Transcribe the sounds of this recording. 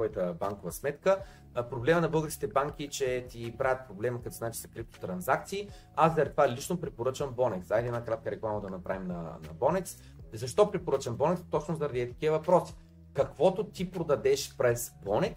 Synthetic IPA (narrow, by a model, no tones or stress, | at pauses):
ɔjət̪əbaŋkovəsmɛt̪kə | pɾoblɛmənɐbɤlˠɡəɾskʲit̪ɛbaŋk̟ʲit͡ʃɛt̪ʲipɾavʲjət̪̚pɾoblɛməkɐt̪zat͡ʃi̥sɐ̥kɾip̚t̪o̥t̪ɾɐnzak̚t̪siː | azɐɾʲt̪valit͡ʃnopɾɛpoɾɤt͡ʃəmbɔnɛksajd̪ɛnakɾat̪̚kəɾɛklˠamɐd̪ɐnɐpɾa̰vimnɐ̰nɐ̰bɔnɛks | zɐʃt̪ɔpɾɛpoɾɤt͡ʃɐmbɔnɛkst̪ɔt͡ʃnozɐɾɐd̪iɛt̪ɐ̥k̟ʲiəvɐpɾɔsi̥ | kɐkvɔt̪ot̪ipɾod̪ɐd̪ɛʃpɾɛsbɔnɛk